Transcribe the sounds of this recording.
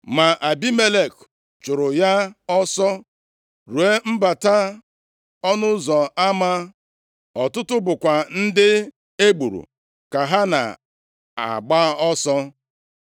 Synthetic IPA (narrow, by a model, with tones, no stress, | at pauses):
ma˨ʔa˨bi˦me˦le˨k | t͡ʃʊ˨ɾʊ˨ja˦ɔ˦sɔ˦ | ɾu˨e˦m̩˦ba˨ta˦ | ɔ˦nʊ˦zɔ˨a˦ma˦ | ɔ˨tʊ˦tʊ˦bʊ˨kʷa˨n̩˦dɪ˦ | e˦ɡ͡bu˨ɾṵ˨ | ka˨ɦa˦na̰˨ | a̰˨ɡ͡ba˦ɔ˦sɔ˦